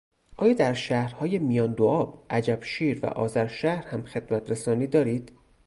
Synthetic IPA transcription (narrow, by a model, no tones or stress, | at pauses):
ʔɒːjɒːd̪æɾʃæːhɾhɒːje̞mijɒːnd̪oʔɒːbʔæd͡ʒæb̥ʃiːɾvæ̰ʔɒ̰ːzæɾʃæhɾhæmxe̞d̪mæt̪ʰɾesɒːniːd̪ɒːɾiːd̪̥